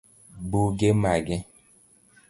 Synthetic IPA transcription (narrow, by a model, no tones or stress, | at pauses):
buɡemaɡɛ